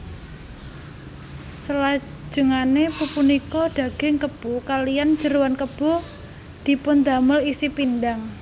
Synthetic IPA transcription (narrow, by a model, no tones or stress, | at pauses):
səlḁ | d͡ʒ̥əŋanepupunikɔd̪̥a̤ɡ̥ɪŋkəb̥ukalijan̥d͡ʒəɾuwankəb̥ɔ̤ | d̪̥i̤pʊnd̪a̤məlisipindaŋ